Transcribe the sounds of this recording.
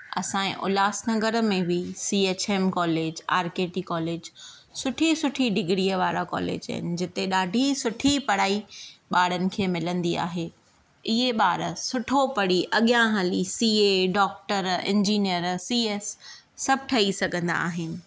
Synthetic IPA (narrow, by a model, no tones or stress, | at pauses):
ɐ̰sãːḛ̃ʔʊ̰laːsnɐɡəɾə̆mẽʋiisiːeːt͡ɕeːmkɔːleːd͡ʑa̰ːɾkeːʈikɔːleːd͡ʑ | sʊʈʰisʊʈʰiɖɪɡɾiːəʋaːɾakɔ̰ːlḛːd͡ʑə̰ɦɪ̰nɪ̆d͡ʑɪt̪eɗaːɖʱisʊʈʰipɐɽaːiɓaːɽənɪ̆kʰeːmɪlə̃nd̪ia̰ːɦeː | ɪɦeɓaːɾəsʊʈʰopɐɽ̤iʔɐɠijãɦɐlisiːeɖɔːk̚ʈəɾɪ̰̃ɲd͡ʑiːnijəɾsiːeːsː | ɐb̚ʱʈʰɐisɐɡʱə̃nd̪a̰ːɦɪnɪ̆